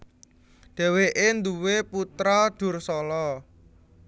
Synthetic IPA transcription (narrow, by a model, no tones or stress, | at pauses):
ɖ̪̥ɛ̤weʔend̪uweput̪ɾaɖ̪̥ʊ̤rsɔlɔ